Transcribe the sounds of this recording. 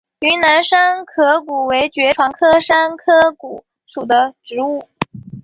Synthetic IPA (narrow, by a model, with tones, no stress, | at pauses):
y˧˥na˧˥nʂa˥nkʰɤ˧˥ku˨˩we˧˥ɪt͡ɕɥɛ˧˥ʈ͡ʂʰwɑ˧˥ŋkʰɤ˥ʂa˥nkʰɤ˥ku˨˩˦ | ʂu˨˩d̪ə˦ʈ͡ʂɻ̩˧˥u˥˩